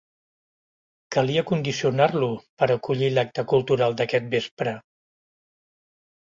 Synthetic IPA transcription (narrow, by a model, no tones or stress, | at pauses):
kəliəkund̪isiunarlupəɾəkuʎilak̚t̪əkulˠt̪uɾalˠd̪əkɛt̪̚bespɾə